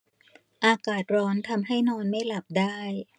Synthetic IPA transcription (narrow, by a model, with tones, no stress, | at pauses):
ʔaː˧kaː˨˩t̪̚ɾɔː˦˥nt̪ʰa˧mɦa˥˩jnɔː˧nma˥˩jla˨˩p̚daː˥˩j